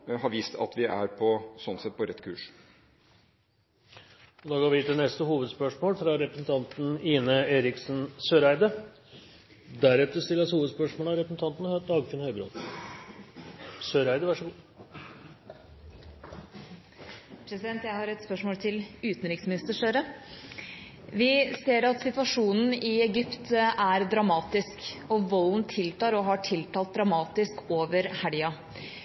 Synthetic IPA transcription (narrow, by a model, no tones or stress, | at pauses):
hɑɾʋiːst̪ʰɑ̰t̪ʋɪʔæ̰ɾpʰɔsɔnsɛt̪̚pʰɔɾɛt̪ːkʰʉ̰ːʂ | ɔd̪ɑːɡɑːʋɪt̪ɪnɛst̪əhuːʋəd̪spœʂmoːlfɾɑɾɛpɾəsn̩t̪ʰɑnt̪n̩iːnəeːɾɪksnsøːɾæɪd̪ə | d̪æɾɛt̪əst̪ɪlːəshuːʋəd̪spœʂmoːɭəɑɾɛpəsn̩t̪ʰɑnt̪nhød̪ɑːɡfɪnhœʏbɾo̰ːd̪ | søːɾæɪd̪əʋæʂəɡuː | pʰɾɛsɪd̪ɛnt̪jæɪhɑɾɛt̪spœʂmoːlt̪ʰɪlʉːt̪n̩ɾɪksmɪnɪst̪əʂøːɾə | ʋɪseːɾɑt̪sɪt̪ʋɑʂuːnn̩ɪɛɡʏpt̪æɾd̪ɾɑmɑːt̪ɪskɔʋɔlnt̪ʰɪlt̪ɑːɾɔɦɑʈʰɪlt̪ʰɑːlt̪̚d̪ɾɑmɑːt̪ɪskoːʋəɾhæɽɪɑ